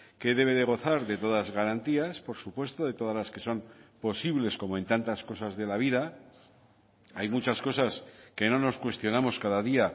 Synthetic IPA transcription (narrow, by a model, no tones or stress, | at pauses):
ke̞ðe̞βe̞ðe̞ɣ̞o̞θaɾðe̞t̪o̞ðazɣaɾant̪iaspo̞ɾsupwe̞st̪o̞ðe̞t̪o̞ð̞azlaske̞so̞mpo̞siβle̞sko̞mo̞e̞nt̪ant̪asko̞sazðe̞laβ̞iða | ajmut͡ʃasko̞saske̞no̞no̞skwe̞st̪jo̞namo̞skaðaðia